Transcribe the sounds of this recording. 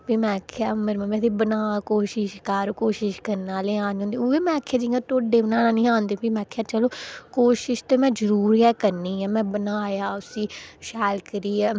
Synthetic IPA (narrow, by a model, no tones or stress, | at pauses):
piːmɛ̃ːkʰjaːməɾmɛ̃ːmɛ̃ːt̪iːbənaːkoːʃɪʃkəɾkoːʃɪʃkəɾnaːleːãːnːõːnd̪eːoeːmɛ̃ːəkʰːjaːd͡ʒiŋɡãt̪oːɖeːbənaːɽaːnĩːãːnd̪eːbiːmɛ̃ːkʰjaːt͡ʃəloːkoːʃɪʃt̪eːmɛ̃ːd͡ʒəɾuːɾiɛːkəɾniːɛːmɛ̃ːbənaːjaːʊsĩːʃɛːlkəɾiːɛː